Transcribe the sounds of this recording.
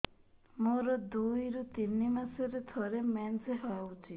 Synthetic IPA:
moɾɔd̪ujɾut̪inːimaseɾet̪ʰɔɾemɛnseɦawt͡ʃʰi

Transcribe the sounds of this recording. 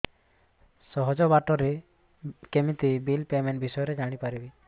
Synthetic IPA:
sɔɦɔd͡ʒɔbaʈɔɾe | kemit̪ibilpemenbisɔjɔɾed͡ʒaɽ̃ipaɾibi

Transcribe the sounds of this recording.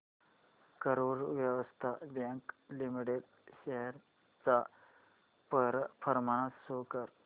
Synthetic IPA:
kəɾoɾʋjəʋəst̪ʰabjãŋklimiʈeɖ | ɕeɦəɾ | t͡sa | pəɾpʰəɾmãasokəɾ

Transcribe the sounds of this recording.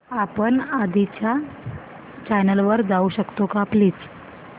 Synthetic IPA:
apəɳad̪it͡ɕja | t͡ɕajnəlʋəɾd͡zauɕəkt̪okaːpliːt͡s

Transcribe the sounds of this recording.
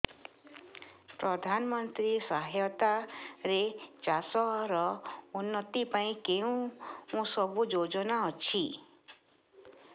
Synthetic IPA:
pɾɔd̪ʱanɔmɔnt̪ɾisaɦajɔt̪aɾet͡ʃasɔɦɾɔunːɔt̪ipaĩkeũmũsɔbud͡ʒod͡ʒɔnaɔt͡ʃʰi

